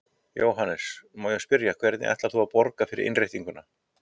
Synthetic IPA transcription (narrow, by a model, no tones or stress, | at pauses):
joːwɦanːɛsmaːwjʏspɪɾjakʰvɛɾt̪nɪ̰ʔɛ̰ht̪laθuapɔɾkafɪɾɪ̰ʔɪ̰nrejht̪iŋkʏna